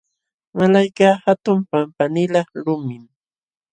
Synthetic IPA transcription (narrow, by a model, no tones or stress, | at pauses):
malajkaːhat̪ʊmpampanɪlɑχɾʊmɪm